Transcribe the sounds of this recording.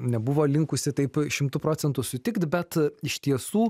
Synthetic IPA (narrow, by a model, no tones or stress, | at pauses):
nʲɛbʊʋoːlʲɪŋkʊsʲɪt̪ɐɪpʃʲɪmt̪ʊpɾoːt͡ssʲɛnt̪ʊsʊt̪ʲɪkt̪bʲɛt̪ɪʃt̪ʲiɛsuː